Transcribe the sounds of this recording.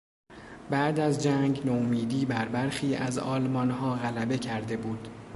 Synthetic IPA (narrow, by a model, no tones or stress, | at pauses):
bæʔd̪æzd͡ʒæŋɡnomiːd̪iːbæɾbæɾxiːæzɒːlmɒːnhɒːɣælæbe̞cʰæɾd̪e̞buːd̪̥